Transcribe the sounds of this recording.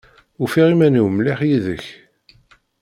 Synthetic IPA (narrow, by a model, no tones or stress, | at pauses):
ufiʁimæniwmliχjiðə̰ç